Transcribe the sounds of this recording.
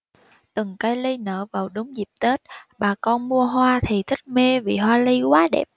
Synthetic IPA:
t̪ɨ˨˩ŋkə˧jli˧nəː˧˩vaː˨˩wɗʊ˨˦ŋ͡mzi˨˩p̚t̪e˦˥t̚ɓaː˨˩kɔ˧nmu˧əɦwaː˧t̪ʰi˨˩t̪ʰï˦˥k̚me˧vi˨˩ɦwaː˧li˧kwaː˨˦ɗɛ̰˨˩p̚

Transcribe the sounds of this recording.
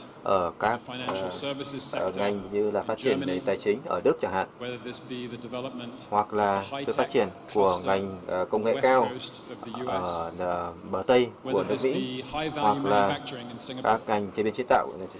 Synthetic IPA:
ʔəː˧˩kaː˦˥k̚ | ə˧˩ŋa˨˩jŋ̟ɲɨ˧laː˨˩faː˦˥t̚t͡ɕi˧˩ənve˧˩t̪aː˨˩jt͡ɕï˨˦ŋ̟ʔəː˧˩ɗɨ˦˥ək̚t͡ɕaː˧˩ŋha̰ː˧˨n | hwa˨˩k̚laː˨˩sɨ̰˨˧˨fa˦˥t̚t͡ɕi˧˩ənku˧˩əŋa˨˩jŋ̟˨˩kə˧wŋḛ˧˨kaː˧w | əː˧˩˧ | ɓəː˧˩t̪ə˧jku˧˩ənɨ˦˥ək̚mḭ˧˥hwa˨˩k̚laː˨˩ | kaː˦˥k̚ŋa˨˩jŋ̟t͡ɕːbi˧nt͡ɕi˨˦t̪a̰ː˧˨w

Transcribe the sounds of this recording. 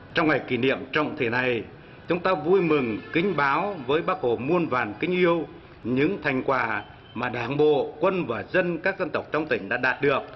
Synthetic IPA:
t͡ɕɔ˧wŋ͡mŋa˨˩jki˧˩nḭ˧˨əmt͡ɕɔ̰˧˨wŋ͡mt̪ʰe˨˩na˨˩j | t͡ɕʊ˨˦ŋ͡mt̪aː˧vu˧jmɨ˨˩ŋkï˨˦ŋ̟ɓaː˨˦wvəː˨˦jɓaː˨˦k̚ho˨˩mu˧ənvaː˨˩nkï˧˥ŋ̟ʔi˧əw | ɲɨ̰˧˥ŋt̪ʰa˨˩jŋ̟kwaː˨˩ | maː˨˩ɗaː˨˩˦nɓo̰˧˨kwə˧nvaː˨˩zə˧nkaː˦˥k̚zə˧nt̪ə˨˩wk͡p̚t͡ɕɔ˧wŋ͡mt̪ï˧˩ŋ̟ɗa̰ː˧˥ɗaː˨˩t̚ɗɨ˨˩ək̚

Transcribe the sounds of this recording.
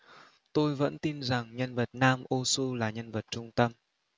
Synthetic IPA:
t̪o˧jvə̰˧˥nt̪i˧nza˨˩ŋɲə˧nvə˨˩t̚naː˧mʔo˧su˧laː˨˩ɲə˧nvə˨˩t̚t͡ɕʊ˧ŋ͡mt̪ə˧m

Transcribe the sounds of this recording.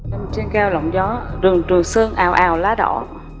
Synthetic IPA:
a˧˩mt͡ɕe˧nkɛː˧wlɔ̰˧˨wŋ͡mzɔ˨˦ɗɨ˨˩əŋt͡ɕɨ˨˩əŋsɨ˧əŋʔaː˨˩wʔaː˨˩wlaː˨˦˥ɗɔ̰˧˩

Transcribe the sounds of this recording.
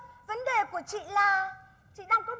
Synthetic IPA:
və˨˦nɗe˨˩ku˧˩ət͡ɕḭ˧˨laː˨˩ | t͡ɕḭ˧˨ɗaː˧˩ŋkɔ˨˦

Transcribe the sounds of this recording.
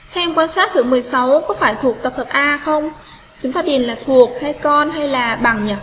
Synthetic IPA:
t̪ʰa˧ʔɛ˧mkwaː˧nsaː˦˥t̚t̪ʰɨ˧˩mɨ˨˩əjsa˨˦wkɔ˨˦faː˧˩jt̪ʰu˨˩ək̚t̪ə˨˩p̚hə˨˩p̚ʔaː˧xə˧wŋ͡m | t͡ɕʊ˨˦ŋ͡mt̪aː˧ɗi˨˩ənlaː˨˩t̪ʰu˨˩ək̚ha˧jkɔ˧nɦa˧jlaː˨˩ɓa˨˩ŋɲə˨˩t̚

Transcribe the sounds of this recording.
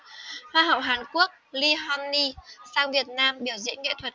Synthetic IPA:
hwaː˧ɦə̰˧˨wɦaː˨˩nku˦˥ək̚li˧ɦɔ˧nːi˧saː˧wvi˨˩ət̚naː˧mɓi˧˩əwzḭ˧˥ənŋḛ˧˨t̪ʰə˨˩t̚

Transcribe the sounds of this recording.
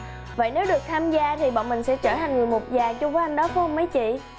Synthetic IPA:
və̰˧˨jne˨˦wɗɨ˨˩ək̚t̪ʰaː˧mzaː˧t̪ʰi˨˩ɓɔ̰˧˨nmï˨˩ŋ̟sɛ̰˧˥t͡ɕəː˧˩t̪ʰa˨˩ŋŋɨ˨˩əjmu˨˩t̚zaː˨˩ŋt͡ɕʊ˧ŋ͡mvə˨˦jʔa˧ŋ̟ɗɔ˨˦kɔ˨˧˦hə˧ŋ͡mma˨˦jt͡ɕḭ˧˨

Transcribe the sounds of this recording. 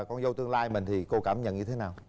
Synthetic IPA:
kɔ˧nzə˧wt̪ɨ˧əŋlaː˧jmï˨˩ŋ̟t̪ʰi˨˩ko˧kaː˧˩mɲə̰˧˨nɲɨ˧e˨˦naː˨˩w

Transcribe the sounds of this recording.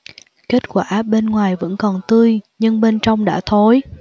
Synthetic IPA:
ke˦˥t̚kwaː˧˩˦ɓe˧nŋwaː˨˩jvə̰˧˥nkɔ˨˩nt̪ɨ˧əjɲɨ˧ŋɓe˧nt͡ɕɔ˧wŋ͡mɗa̰ː˧˥t̪ʰo˨˦j

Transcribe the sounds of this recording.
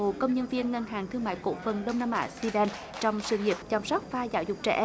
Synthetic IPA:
o˨kə˧wŋ͡mɲə˧nvi˧ənŋə˧nɦaː˨˩ŋt̪ʰɨ˧əŋma̰ː˧˨jko̰˧˥fə˨˩nɗə˧wŋ͡mna˧mʔa̰ː˧˩˥si˧ɓɛː˧n | t͡ɕɔ˧wŋ͡msɨ̰˧˩ŋi˨˩əp̚t͡ɕa˨˩msɔ˦˥wk͡p̚faː˧za̰ː˧˦wzʊ˨˩k͡p̚t͡ɕɛ̰˧˩ʔ

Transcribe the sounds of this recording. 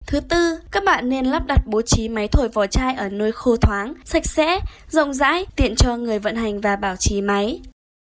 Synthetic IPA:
t̪ʰɨ˨˦t̪ɨ˧kaː˦˥k̚ɓa̰ː˧˨nːe˧nlaː˦˥p̚ɗa˨˩t̚ɓo˨˦t͡ɕi˨˦ma˨˦jt̪ʰo˧˩jvɔ˨˩t͡ɕaː˧jʔəː˧˩no˧jxo˧t̪ʰwaː˨˦ŋsa˨˥jk̟̚sɛ̰˧˥zə̰˧˨wŋ͡mza̰ː˧˥jt̪ḭ˧˨ənt͡ɕɔ˧ŋɨ˨˩əjvə̰˧˨nɦa˨˩jŋ̟vaː˨˩ɓaː˧˩wt͡ɕi˨˦ma˨˦j

